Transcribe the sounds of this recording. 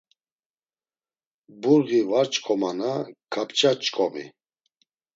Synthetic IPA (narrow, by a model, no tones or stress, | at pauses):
buɾɣivaɾt͡ʃʼkʼɔmanakʰapʰt͡ʃʼat͡ʃʼkʼɔmḭ